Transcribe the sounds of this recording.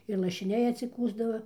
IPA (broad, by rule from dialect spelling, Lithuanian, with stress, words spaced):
ɪr lˠɐʃʲɪˈnʲɛɪ ɐtʲsʲɪˈkuːzdɐʋɐ